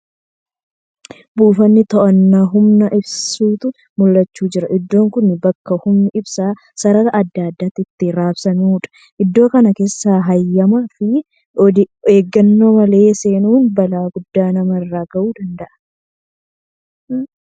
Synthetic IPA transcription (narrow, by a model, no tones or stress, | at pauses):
buːfɐnːɪt̪ɔʔɐnːaːɦʊmnɐʔɪbsuːt̪ʊ | mʊlːɐt͡ʃːuːd͡ʒɪɾɐʔɪd̪ːo̞ːŋkʊnːɪbɐkːɐhʊmnɪʔɪbsaː | sɐɾɐɾɐʔɐd̪ːaːd̪ːat̪ɪt̪ːɪɾaːbsɐnuːᶑɐ̥ | ʔɪd̪ːo̞ːkɐnɐke̞ːsːaːɦɐjːɐmafɪ | ɔd̪ɪeːɡːɐnːoːmɐle̞ːse̞ːnuːnbɐlaːɡʊd̪ːaːnɐmɐrːaːɡɐʔuːd̪ɐnd̪ɐʔɐ̥n